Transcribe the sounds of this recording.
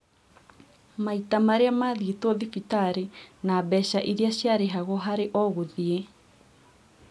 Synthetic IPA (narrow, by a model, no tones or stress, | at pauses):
maitamaɾeamaðiːtɔðifitaɾenabɛɕaʔiɾeaɕjaɾeɦaɣɔɦaɾeʔɔɣoðie